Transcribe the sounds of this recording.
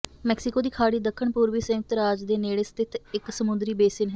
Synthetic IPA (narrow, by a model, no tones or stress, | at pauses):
mɛːksɪkoːd̪iːkʰaːɽiːd̪əkʰːəɳpuːɾʋiːsə̃ːt̪əɾaːd͡ʒd̪eːneːɽeːst̪ʰɪt̪ʰɪksəmʊnd̪ɾiːbeːsɪnɦɛː